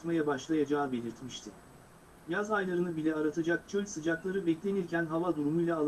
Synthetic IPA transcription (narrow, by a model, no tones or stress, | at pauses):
t̪majabaʃlˠajad͡ʒaːbe̞lʲiɾt̪miʃt̪ʰɪ | jazajlˠaɾɯnɯbilʲɛaɾat̪ʰad͡ʒak̚t͡ʃʰølʲsɯd͡ʒaklˠaɾɯbɛclʲe̞niɾcænɦavad̪uɾumujlʲˠaːlˠ